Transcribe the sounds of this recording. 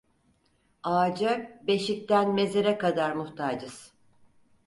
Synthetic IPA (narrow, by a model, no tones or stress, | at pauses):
aːd͡ʒabe̞ʃic̚t̪ænme̞zeɾɛkad̪aɾmuht̪ʰaːd͡ʒɯz̥